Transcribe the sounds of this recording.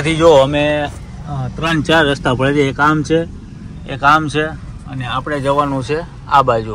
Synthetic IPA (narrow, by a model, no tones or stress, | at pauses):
t̪ʰid͡ʒoəme | t̪ɾə̃nt͡ʃaɾːəst̪apəɭeleekamt͡ʃʰe | ekamt͡ʃʰeəneapɽ̃ed͡ʒəʋanũt͡ʃʰe | abad͡ʒu